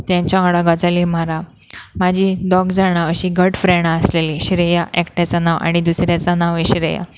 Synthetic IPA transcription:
t̪jãɲt͡ɕjaɽaɡad͡zaliːm̤aɾa | mad͡ʑʱiːd̪ɔɡd͡zaɽ̃aəɕiːɡəʈfɾɛɳasleliːɕiɾejaʔɛkʈjat͡sanaʋa̰ɽ̃id̪usɾjat͡sanaʋeɕiɾeja̰

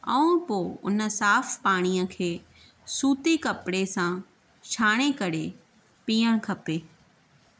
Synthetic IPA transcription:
ɐ̰̃ũpoʊ̰nəsaːfʰpaːɽ̃iəkʰeː | suːt̪ikɐpɽesã | ʃʰaːɽ̃ekɐɽe | piːəɽ̃kʰɐpeː

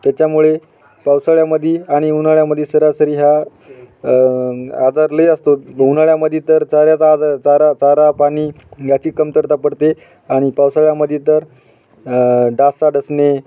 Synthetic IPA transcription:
t̪jat͡ɕjamuɭe | pawsaɭjaməd̪ʱːiaɽ̃iɦunaɭjaməd̪ʱːesəɾjasəɾiːɦa | ad͡zaɾləeəst̪oɦunaɭjaməd̪ʱet̪əɾt͡saɾjat͡sad͡zaɾt͡saɾat͡saɾapaniː | jat͡ɕiːkːəmt̪əɾt̪apəɽt̪e | aɽ̃ipawsaɭjaməd̪ʱjet̪əɾ | ɖasaɖəsne

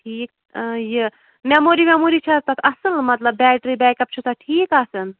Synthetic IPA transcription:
ʈʰiːk̚ | jɨ | memoɾimamoɾit͡ʃʰɐt̪ɐk̪ɐsɨlmɐt̪ləbːɛʈɾibɛkɐp̚t͡ʃʰusaʈʰiːkɐsɨn

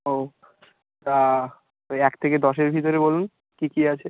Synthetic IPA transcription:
o | t̪a | t̪ojɛkt̪ʰeked̪ɔʃeɾbʱit̪oɾebolun | kikiat͡ɕʰe

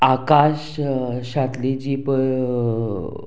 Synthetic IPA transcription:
akaɕ | ɕat̪lid͡ʑip

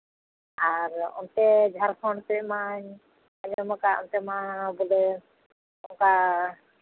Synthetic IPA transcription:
aɾɔ̰nt̪ɛd͡ʒʱaɾkʰɔɳɖt̪ɛbɛmaɲ | ad͡ʒɔmakaɔ̰nt̪ɛmabɔlɛ | ɔŋka

